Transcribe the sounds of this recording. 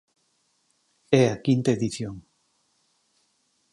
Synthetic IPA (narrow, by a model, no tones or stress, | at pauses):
ɛakint̪aeðiθjoŋ